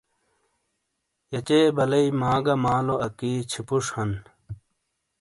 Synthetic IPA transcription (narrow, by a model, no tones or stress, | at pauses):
jɐt͡ɕeːbɐlɐimaːɡɐmaːloʔɐkiːt͡ɕʰipuʂhɐn